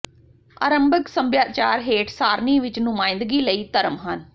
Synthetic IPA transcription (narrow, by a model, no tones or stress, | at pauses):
a̰ːɾəmbəksəmbjaːt͡ʃaːɾɦeːʈʰsaːɾniːʋɪt͡ʃnʊmãːɪnd̪ɡiːləiːt̪əɾəmɦən